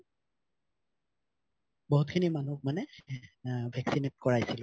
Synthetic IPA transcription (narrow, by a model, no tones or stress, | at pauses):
bɔɦutkʰinimanuk̚manɛ | bʱɛksinet̚kɔɹajsilʊ